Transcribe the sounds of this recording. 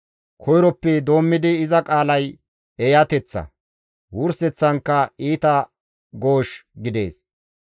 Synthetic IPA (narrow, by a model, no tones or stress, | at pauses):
kʰɔjɾɔpːɛd̪o̞ːmːɪd̪ɪːzɐkʼaːlɐj | ejɐt̪ɛt͡sːɐ̰ | wʊɾsɛt͡sːɐŋkːɐiːt̪ɐ | ɡo̞ːʃɡɪd̪e̞̰ːs